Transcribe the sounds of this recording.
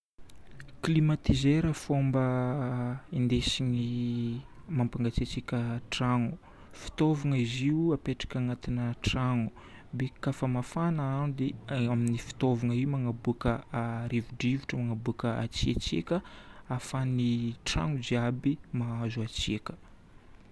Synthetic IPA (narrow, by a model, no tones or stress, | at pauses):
klimat̪izeɾəfombə | ind̪esiɲi | mampaŋɡat͡siat͡sikʲəʈ͡ʂaŋu | fi̥t̪ovaŋəiziuapeʈ͡ʂḁkʲaŋat̪inəʈ͡ʂaŋu̥ | bekafəmafanaanid̪eaminifi̥t̪ovaŋəiumaŋabukəaɾivuɖ͡ʐivuʈ͡ʂəmaŋabuakəa̰t͡siat͡siekʲəafaniʈ͡ʂa̰ŋud͡ʒiabimaazuat͡siakə̥